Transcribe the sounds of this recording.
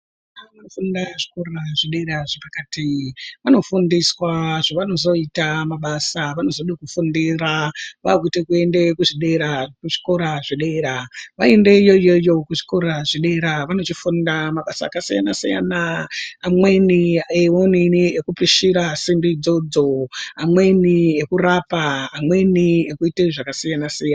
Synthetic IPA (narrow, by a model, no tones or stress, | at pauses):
aʋanofundaʐi̥koraʐiɗeɾaʐepakatiʋano̞fundiswaʐ̥aʋano̞zo̞itamaɓasaʋano̞zoɗikufundiraʋa̰kutikue̞nde̞kuʐiɗe̞ɾakuʐi̥ko̞ɾaʐiɗe̞ɾaʋaende̞ijo̞ijo̞jo̞kuʐi̥ko̞ɾaʐiɗe̞ɾaʋano̞t͡ʃifundamaɓasa̰ːkasijanasija̰naamwe̞niewoniniekupiʃiɾasimbid͡zo̞d͡zoamwe̞niekurapaːmwe̞niekuiteʐakasijanasijana